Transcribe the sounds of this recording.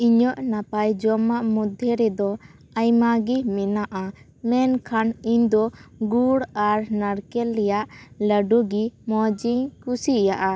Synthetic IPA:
iɲɔʔnapajd͡ʒɔmaʔmud̪ʱjɛɾɛd̪ɔ | ajmaɡimɛnaʔa | mɛnkʰaniɲd̪ɔɡuɽaɾnaɾkɛlːɛjaʔləɖuɡimɔd͡ʒiɲkusijaʔa

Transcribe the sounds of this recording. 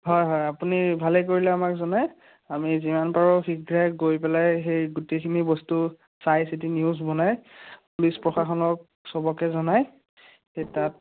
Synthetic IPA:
ɦɔjɦɔjapunibʱalɛk̬oɹilɛamakzɔnaj | amizimanpaɹɔxiɡɹaɡojpɛlajxejɡutekʰinibɔstu | sajsit̬iniuzbɔnajpulispɹɔxaxɔnɔk̚ | sɔbɔkɛzɔnaj | xejtat̚

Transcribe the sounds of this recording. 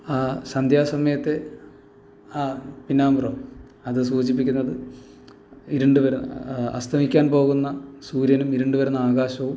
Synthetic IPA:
aːsɐnd̪ʱjaːsɐmɐjɐt̪ːe̞ | apinːaːmurɐm | ɐðɨsuːd͡ʑip̬ːikʲːunːɐðɨ | iɾuɳɖuʋɐɾɐ̰st̪ʰɐmikʲːaːnpo̞ːɣunːɐsuːɾjɐnumiɾuɳɖuʋɐɾunːɐaːɣaːɕɐʋum

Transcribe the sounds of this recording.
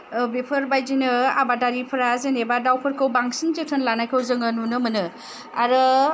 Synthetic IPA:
bepʰɯɾbajd͡ʒinɯa̰badaɾipʰɯɾazenebadawpʰɯɾkʰɯwbaŋsinzɯtʰɯnlanajkʰɯwzɯŋɯnunɯmɯnɯ | aɾɯ

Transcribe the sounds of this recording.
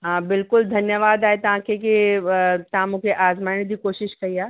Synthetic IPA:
ɦãbɪlkʊld̪ʱɐnjəʋaːd̪aːɦet̪ɐʋ̤ãkʰek̬it̪ɐɦãmũkʰeʔaːzmaːɪɽ̃d̪ʱiːkoːʃɪʃkɐiaː

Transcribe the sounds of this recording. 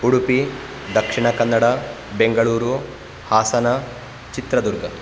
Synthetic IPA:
uɽupi | d̪ɐkʂiɳɐkɐnːɐɽɐ | beŋɡɐɭuːɾu | haːsɐnɐ | t͡ʃit̪ɾɐd̪uɾɡʱɐ

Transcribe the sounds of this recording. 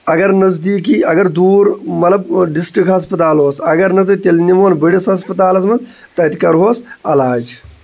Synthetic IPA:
ɐɡɐɾnɐzd̪iːk̬iːɐɡɐɾd̪uːɾmɐt̪lɐbɖisʈɾikɦɐs̬pɐt̪aːlɦoːsɐɡɐɾnɐt̪̬ɐt̪elnimoːnbiɽisɦɐs̬pɐt̪aːlɐsmɐnz | t̪ɐt̪i̥kɐɾɦoːsɐlaːd͡ʒ

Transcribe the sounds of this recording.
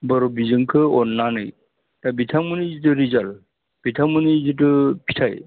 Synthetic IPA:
bəɾobizɯŋkʰɯɔnːanɯj | tabitʰamunizit̬ɯɾizal | b̥itʰamɯnizit̬ɯpʰi̥tʰaj

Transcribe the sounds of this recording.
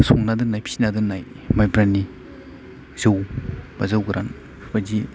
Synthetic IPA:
sɔŋnadɯŋnajpʰi̥snadɯnaj | majbɾani | z̥ɯwbazawɡɾanʰ | bad͡ʒi

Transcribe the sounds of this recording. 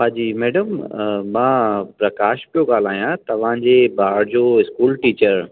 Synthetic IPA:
ɦaːd͡ʑiːmɛːɖəmmãːpɾɐkaːʃpijoɡaːl̤aːijãt̪ɐʋ̤ãd͡ʑeːbaːɾd͡ʑoːɪskuːlʈiːt͡ɕəɾ

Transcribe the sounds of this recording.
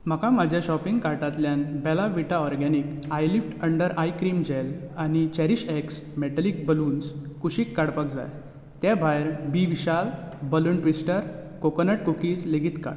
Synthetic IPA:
m̤əkãmad͡ʑʱjaɕɔpiŋɡkaɾʈat̪ljanbɛlaʋiʈaɔɾɡɛnikajlifʈəɳɖəɾajkɾimd͡ʑelanit͡ɕɛɾiɕɛks | mɛʈ̪əlik̚bəluːnskuɕiːkːaɽpakd͡za̰j | t̪jabʱajɾbiʋiɕalbəluɳʈʋisʈəɾkokənəʈ̚kukiːd͡zleɡit̪ka̰ɽ

